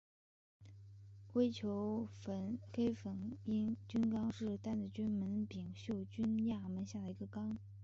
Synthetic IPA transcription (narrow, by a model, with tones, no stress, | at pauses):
kwe˥ɪt͡ɕʰjo˧˥ʊfə˧˩nke˥ɪfə˨˩ni˥nt͡ɕy˥nkɑ˥ŋʂɻ̩˥˧t̪a˥˩nt͡sə˥˩t͡ɕy˥nmə˧˥npi˨˩ŋɕjo˥˩ʊt͡ɕy˥nja˥˩mə˧˥nɕja˥˩d̪ə˩i˧˥ɡə˧kɑ˥ŋ